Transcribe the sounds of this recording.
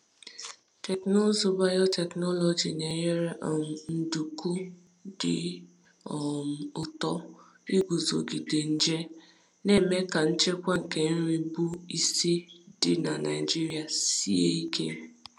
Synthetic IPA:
te˨kno˦zo˦ba˦jɔ˦tɛ˨knɔ˦lɔ˨d͡ʒi˨ne˨ɲe˦ɾe˦ʔm˨n̩˨du˨ku˦ | dɪ̰˨ | m˨ʊ˨tɔ˦ | i˦ɡʷu˨zo̰˨ɡi˨de˨n̩˦d͡ʒe˦ | ne˦me˦ka˨n̩˦t͡ʃe˦kʷa˦ŋ̩˨ke˨n̩˦ɾi˦bu˦i˦si˦dɪ˨na˨na̰˨ɪ˨d͡ʒi˦ɾi˦a˨si˦ḛ˦i˦kḛ˦

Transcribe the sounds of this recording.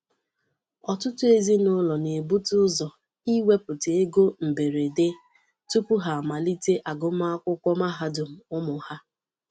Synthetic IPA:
ɔ˨tʊ˦tʊ˦e˦zi˦nʊ˦lɔ˨ne˨bu˦tʊ˦zɔ˨ | i˦we˦pʊ˨te˨e˦ɡo˦m̩˨be˨ɾe˨de˦ | tu˦pʊ˦ɦa˨ma˨li˦te˦ʔa˨ɡʊ˦m˦a˦kʷʊ˦kʷɔ˦ma˦ɦa˦dʊ˨m̩˨ʊ˦mʊ˨ha˦

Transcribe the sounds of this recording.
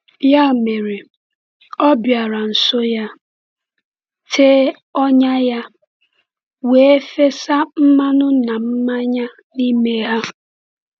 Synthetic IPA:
ja˦˨me˨ɾe˨ | ɔ˦bja˨ɾa˨n̩˨so˦ja˦ | tʰe˦ | ɔ˦ɲa˦ja˦ | we˨e˦fe˦sa˦m̩˦ma˦nʊ˦na˨m̩˦ma˦ɲa˦ | ni˦me˦ɦa˦

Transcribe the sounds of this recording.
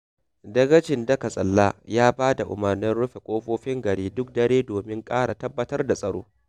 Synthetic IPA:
dɐ˦ɡɐ˦t͡ʃɪ˨ndɐ˦ka˨sʼɐ˨lːaː˦jaː˦baː˦da˨ʔʊ̰˨mɐ˨rnɪ˦nɽʊ˦ɸe˨kʷʼoː˦ɸoː˦ɸɪ˦ŋɡɐ˨ɽiː˦dʊ˦k̚dɐ˦ɽeː˦doː˨mɪ˦ŋkʼaː˦ɽa˨tɐ˦bːɐ˦tɐ˦rda˨sʼɐ˨ɽo̰ː˦

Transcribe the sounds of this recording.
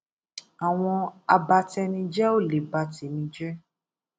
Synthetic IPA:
a˨w̃ɔ̃˧a˧ba˧tɛ˧nĩ˧d͡ʒɛ˦o˦˨le˨ba˧ti˨˦nĩ˧˦d͡ʒɛ˦

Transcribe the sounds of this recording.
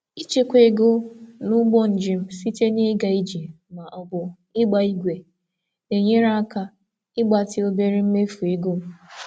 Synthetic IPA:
i˦t͡ʃe˦kʷe˨ɡo˦nʊ˦ɡ͡bɔ˦n̩˨d͡ʒɪ˨m̩˦si˦te˦ni˦ɡa˨i˦d͡ʒi˨ | ma˨ʔɔ˨bʊ˨ | ɪ˦ɡ͡ba˨i˦ɡʷe˨ | e˨ɲe˦ɾa˦a˦ka˦ | ɪ˦ɡ͡ba˨tɪ˦o˦be˦ɾi˦m̩˦me˦fu˨e˨ɡo˦

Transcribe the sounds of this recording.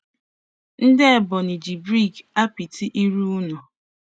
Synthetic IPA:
n̩˦dɪ˦e˨bɔ˨ni˨d͡ʒi˨bɾi˦˨ɡa˦pi˨tʰi˦ʔi˦ɾu˦ʊ˦nɔ˨

